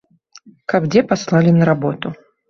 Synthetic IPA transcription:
kabd͡zʲɛpaslˠalʲinɐɾabɔt̪ʊ

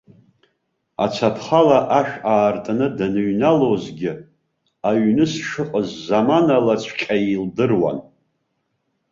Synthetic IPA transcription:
a̰t͡sʷʰapʰχalaʔaʃᶣaːrtʼanɨdanɨɥnalozɡʲɪ | aɥnɨsʂɨqʼəzːamanalat͡ɕʷʰqʲʼaildɨrwa̰n

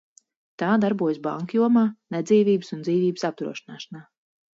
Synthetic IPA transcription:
t̪aːd̪aɾbuɔjəsba̰ŋkjuɔmaːnɛd̪ziːvʲiːbɨsund̪ziːvʲiːbɨsap̚t̪ɾṵɔʃinaːʃanaː

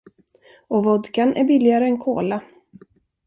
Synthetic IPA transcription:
ɔvɔd̪kanʔæ̰ɾbɪlːɪaɾəɛnkʰo̰ːla

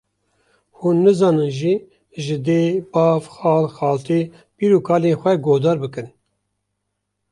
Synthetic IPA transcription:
huːnːɨzɑːnɨnʒi | ʒɪd̪eːbɑːvxɑːlxɑːlt̪ʰeː | piːɾuːkʰɑːleːnxʷɛɡoːd̪ɑːɾbɨkɨn

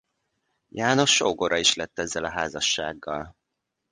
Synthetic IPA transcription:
jaːno̞ʃːoːɡoɾʔɒiʃlɛt̪ːɛzːɛlɒɦaːzɒʃːa̰ːɡːɒl

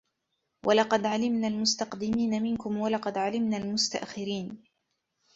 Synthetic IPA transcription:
wʔalɑqɑd̪ʕalɪmnaːlmʊst̪ɑqd̪ɪmiːnamɪnkʊmwalɑqɑd̪ʕalɪmnaːlmʊst̪a̰ʔxɪɾiːn

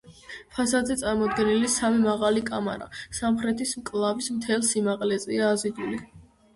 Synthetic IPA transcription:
pʰasad̪zɛt̪sʼaɾmɔd̪ɡɛnilisamimaʁalikʼama̰ɾa̰samχɾɛt̪ʰismkʼlˠavismt̪ʰɛlˠsimaqʼlɛzʼiaːzid̪uli

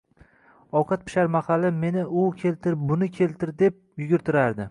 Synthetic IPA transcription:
ɒwqʰɑt̪̚pʰɪ̥ʃaɾmaχalːɪme̞nɪʊkʲʰe̞lt̪ʰɪɾbʊnɪkʲʰe̞lt̪ʰɪɾd̪e̞p̚jʊɡʲɪɾt̪ʰɪɾaɾd̪ɪ

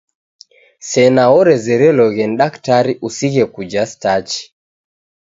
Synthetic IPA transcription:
sɛnaɔɾɛzɛɾɛlɔɣɛnɗaktaɾiʔusiɣɛkud͡ʒastat͡ʃi̥

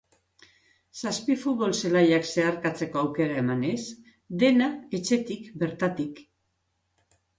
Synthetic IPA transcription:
saspifut̪̚βo̞lse̞lajakse̞aɾkat͡se̞ko̞awke̞ɾae̞mane̞s | d̪e̞nae̞t͡ʃe̞t̪ikbe̞ɾt̪at̪ik

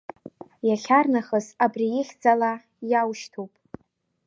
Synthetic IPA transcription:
jaɬʲarnaχəsabrijɪχʲd͡zala | jawʃtʰowpʼ

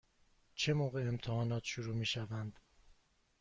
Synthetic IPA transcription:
t͡ʃʰemoːɣe̞emt̪ʰehɒːnɒːt̪ʰʃuɾuːmiːʃævænd̪̥

